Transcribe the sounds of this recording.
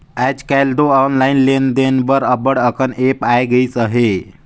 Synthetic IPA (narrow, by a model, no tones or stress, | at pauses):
ɛd͡ʒkajld̪oɔnlainlend̪enbəɾəbəɽəkənepajɡəit͡səɦe